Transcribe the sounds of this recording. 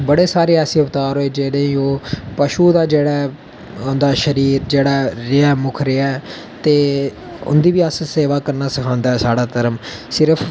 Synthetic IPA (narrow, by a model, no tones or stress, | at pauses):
bəɽeːsaːɾeːɛːsĩːʊbt̪aːɾɦoːeːd͡ʒeːɽeːioːpəʃuːd̪aːd͡ʒeːɽaː | nd̪aːʃəɾiːɾd͡ʒeːɽaːɾɪɛːmʊkʰɾeɛː | t̪eː | ʊ̰nd̪iːʋiːəsseːʋaːkəɾnaːsəkʰãːnd̪aːɛːsaːɽaːt̪əɾəmsɪɾəpʰ